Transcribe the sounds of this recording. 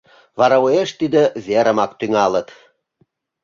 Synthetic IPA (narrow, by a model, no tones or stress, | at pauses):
βɑɾɑueʃt̪id̪ĕβʲeɾə̆mɑkt̪yŋɑlət̪